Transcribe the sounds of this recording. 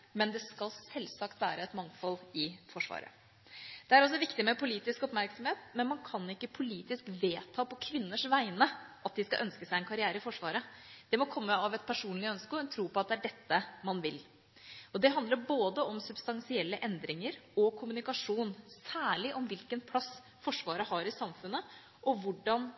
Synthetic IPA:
mɛnd̪ɛskɑlsɛlsɑkt̪ʋæːɾəɛt̪mɑŋfɔlɪfɔʂʋɑ̰ːɾə̰ | d̪̥ɛæɾɔs̬ɔʋɪkt̪ɪmɛpʊliːt̪ɪskɔpmæɾksɔmheːt̪mɛnmɑnkʰɑnɪkːəpʰʊliːt̪ɪskʋeːt̪ʰɑːpɔkʰʋɪnːəʂʋæɪnəʔɑt̪̚d̪ɪskɑʔœnskəsæɪɛnkʰɑɾɪæːɾəɪfɔʂʋɑːɾəd̪̥ɛmɔkʰɔmːəɑʋɛt̪̚pʰæʂuːnlɪœnskɔɛnt̪ʰɾuːpɔɑt̪̚d̪ɛæɖɛt̪ːəmɑnʋɪl | ɔd̪ɛɦɑnd̪ləɾboːd̪əɔmsʉb̥st̪ɑnsɪɛlːəʔɛnd̪ɾɪŋəɾɔkʰʊmʉnɪkɑʂuːnsæːɭɪʔɔmʋɪlkənpʰlɑsː | fɔʂʋɑːɾəɦɑɾɪsɑmfʉnːə | ʔɔʋʊɖːɑn

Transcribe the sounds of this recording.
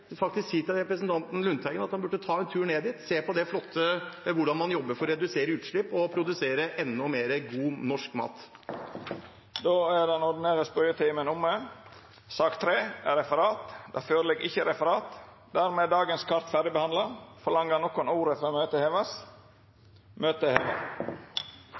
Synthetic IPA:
fɑk̚t̪ɪsksiːt̪ʰɪlɾɛpɾəsnt̪ʰɑnt̪n̩lʉnt̪ʰhæɪɡənɑt̪hɑnbʉʈːət̪ʰɑːɛnt̪ʰʉːɳeːd̪ɪt̪seːpʰɔd̪ɛflɔt̪ʰːəʋʊɖɑnmɑnjɔbːəɾfɔɾɾɛd̪ʉseːɾəʉːt̪ʂɭɪpːɔpʰɾʊd̪ʉseːɾəʔɛnːɔmeːɾəɡuːnɔʂkmɑ̰ːt̪ | d̪oːæɖ̪ɛnɔɾɖɪneːɾəspœʏət̪ʰiːmənʊmːə | sɑːkt̪ʰɾeːɛɾɛfəɾɑːt̪d̪ɑ̰ːføːɾlɛɡɪçəɾɛfəɾɑːt̪ | d̪æɾmeːd̪ɑːɡənskʰɑɾt̪fæɖɪbəhɑnd̪lɑfɔlɑŋːənɔkːɔnuːɾəfɾɑmøːt̪əheʋəs | møːt̪əheːʋə̰

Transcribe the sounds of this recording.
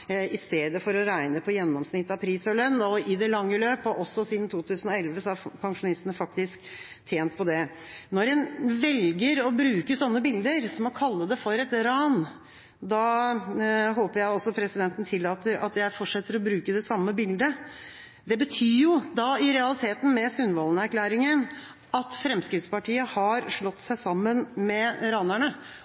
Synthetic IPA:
ɪst̪eːd̪əfɔɾɔɾæɪnəpʰɔjɛnːɔmsnɪt̪ːɑpʰɾiːsɔlœnːɔɪd̪ɛlɑŋːəløːpəʔɔsːɔsiːd̪n̩t̪ʰuːt̪ʰʉːsn̩ɔɛlʋəsɔæɾpʰɑŋʂʊnɪst̪ənəfɑk̚t̪ɪsk | t̪ʰjeːnt̪̚pʰɔd̪ɛ | nɔɾɛnʋɛlɡəɾɔbɾʉːkəsɔnːəbɪld̪əɾsɔmɑkʰɑlːəd̪ɛfɔɾɛt̪ɾɑːn | d̪ɑ | ɦoːpəɾjæɪɔsɔpʰɾɛsɪd̪ɛnt̪n̩t̪ʰɪlːɑːt̪əɾɑ̰t̪jæɪfɔʈʂɛt̪ːəɾɔbɾʉːkəd̪ɛsɑmːəbɪld̪ə | d̪ɛbət̪ʰyːjʊd̪ɑɪɾɛɑlɪt̪ʰeːt̪n̩mɛsʉnʋɑlənəæɾkʰlæːɾɪŋən | ɑt̪fɾɛmskɾɪt̪spɑʈiːəhɑɾʂɭɔt̪ːsæɪsɑmːənmɛɾɑːnæɳə

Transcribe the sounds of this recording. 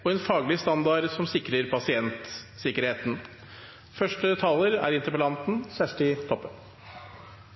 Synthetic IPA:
ɔɛnfɑːɡlɪst̪ɑnd̪ɑɾsɔmsɪkɾəɾpʰɑsɪɛnt̪sɪkəɾheːt̪n̩ | fœʂʈət̪ʰɑləɾæ̰ɾɪnt̪əɾpəlɑnt̪n̩sæsʈɪt̪ʰɔpːən

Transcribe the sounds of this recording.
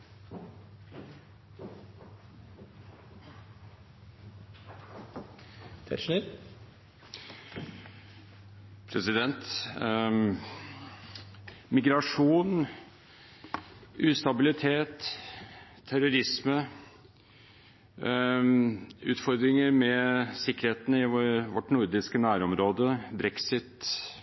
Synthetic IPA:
pʰɾɛsɪd̪ɛnt̪ | mɪɡɾɑʂuːn | ʔʉːst̪ɑbɪlɪt̪ʰeːt̪ʰ | æɾʊɾɪsmə | ʉːt̪fɔɾd̪ɾɪŋəɾmɛsɪkːəɾheːt̪n̩əɪʋɔʈnʊɾd̪ɪskənæːɾɔmɾoːd̪əbɾɛksɪt̪

